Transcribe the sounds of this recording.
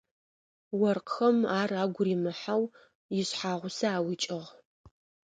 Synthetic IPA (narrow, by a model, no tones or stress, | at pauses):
wɐrqxɐmaːraːɡʷʊɾimɨħaw | jɪɕħaːʁʷʊsɐaaːwit͡ʃʼɪʁ